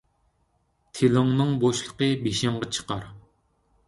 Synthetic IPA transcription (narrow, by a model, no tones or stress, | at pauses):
t̪ʰelɨŋnɨŋboʃlˠəqəbeʃɪŋʁɑt͡ʃʰə̥qɑɾ